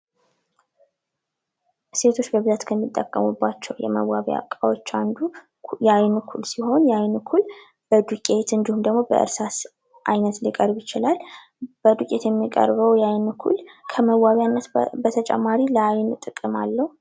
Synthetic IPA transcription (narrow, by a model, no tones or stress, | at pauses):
se̞t̪ʰo̞t͡ʃːbəbɨzat̪kʰəmːit̪ʼːəkʼːəmubːat͡ʃːɛwjɛ̰mə̰waβja̰kʼawot͡ʃːand̪u | jɛajnɨkʰulsiho̞njajnɨkʰul | b̥əd̪ukʼe̞t̪ɨnd̪ihumd̪əɡmo̞bə̰ʔɨ̰ɾsas | ʔajnət̪likʼəɾbjɪt͡ʃɪlal | b̥əd̪ukʼet̪jɛmːikʼə̰ɾβəwjajnɨkʰṵlkʰəməwaβjanːət̪bət̪ʰət͡ʃʼɛ̰mːaɾiləajnt̪ʼɨkʼːɨmalːəhu